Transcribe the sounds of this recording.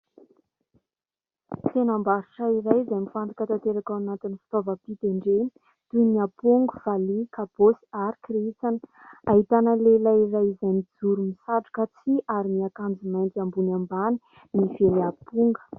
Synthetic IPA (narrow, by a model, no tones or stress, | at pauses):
t̪enambaɾuʈ͡ʂaiɾajzajmifand̪akət̪at̪eɾakawanat̪inifi̥t̪ovəpit̪eɳɖ͡ʐe | t̪uniapuŋɡuv̥alikaposi̥aɾikriit͡sanə̥ | aɦit̪anəlelajirajizajnid͡zuɾumisaʈ͡ʂu̥kat͡siʔaɾimiakand͡zimajnt̪iambunambani̥ | nifeleapuŋɡə̥